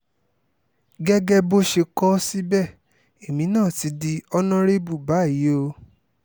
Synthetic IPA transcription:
ɡɛ˦ɡɛ˦bo˦ʃe˧kɔ˦si˦bɛ˦˨ | e˨mĩ˨˦nãː˦˨ti˧˦di˧ɔ˧nã˦ɾe˦bu˦˨ba˨˦˨i˨˦o˧

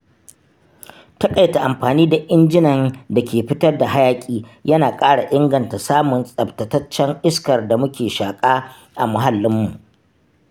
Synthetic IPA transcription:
tɐ˦kʼa˨jta˨ʔa˨mɸaː˨niː˦da˨ʔɪ˦nd͡ʒɪ˦nɐ˨nda˨kʲʰeː˨ɸɪ˦tɐ˦rda˨ɦa˦jaː˨kʲʼiː˦jɐ˦naː˨kʼaː˦ɽa˨ʔɪ˦ŋɡɐ˨nta˨saː˦mʊ˨nsʼɐ˨ptɐ˨tɐ˦t͡ʃːɐ˦ŋʔɪ˦skɐ˨rda˨mʊ˦kʲʰeː˨ʃaː˨kʼaː˦ | ʔa˨mʊ˨˦ɦa˨lːɪ˦mːu˨ʔ

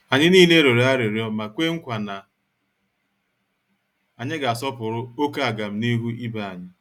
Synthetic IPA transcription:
a˨ɲɪ˦niː˦le˦ɾe˨ɾe˨˦a˦ɾe˨ɾjɔ˦ma˨kʷe˦ŋ̩˦kʷa˨na˨ | a˨ɲɪ˦ɡa˨a˨sɔ˦pʊ˨ɾʊ˦o˦ka˦a˨ɡa˨m̩˦ni˦ɦu˦i˦ba˨a˨ɲɪ˦

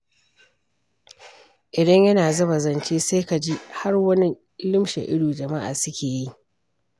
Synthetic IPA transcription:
ʔɪ˨dɐ˦ɲjɐ˦naː˨zɐ˦bɐ˨zɐ˨nt͡ʃeː˦seː˦ka˨d͡ʒi˦ha˦rwɐ˦ni˦ | lɪ˦mʃḛ˨ʔɪ˦ɽuː˨d͡ʒɐ˨ma˦ʔa̰ː˨sʊ˦kʲeː˨ji˦ʔ

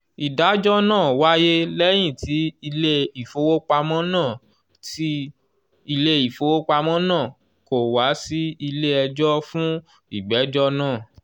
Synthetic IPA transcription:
i˨da˨˦d͡ʒɔ˦nãː˦˨wa˦je˦lɛ˦j̃ĩ˦˨tʰi˨˦i˧le˦i˨fo˨˧wo˦k͡pa˧mɔ̃˦nãː˦˨ | ti˦ | i˧le˦i˨fo˨˧wo˦k͡pa˧mɔ̃˦nãː˦˨ | ko˨wa˨˦si˦i˧le˦ɛ˧d͡ʒɔ˦fũ˦ | i˦˨ɡ͡bɛ˨˦d͡ʒɔ˦nãː˦˨

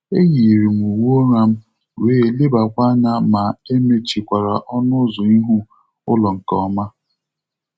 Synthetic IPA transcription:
e˦ɣi˨ɾi˨m̩˨u˨wu˦o˦ŋa˦m̩˦ | weː˦˨li˦ba˨kʷa˦na˦ma˨e˦me˦t͡ʃi˨kʷa˨ɾa˨ʔɔ˦nʊ˦zʊ˨i˦ɦu˦ | ʊ˦lɔ˨ŋ̩˨kɔ˦ma˦

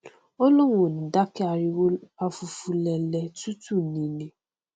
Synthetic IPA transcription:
o˦lo˦ŋʷo˨n̩˨da˦kɪ˦a˨ɾɪ˦a˨fu˨fu˨le˨le˨tu˦tu˦ni˨ne˨

